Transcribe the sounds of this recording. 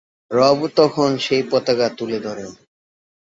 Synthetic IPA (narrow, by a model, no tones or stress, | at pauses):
ɾɔbt̪ɔkʰonʃejpɔt̪akat̪uled̪ɔɾen